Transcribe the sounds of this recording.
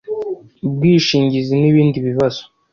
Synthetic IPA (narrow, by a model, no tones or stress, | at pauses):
b̚ɡiːʃiːɲɟiziniβiːndiβiβazo̥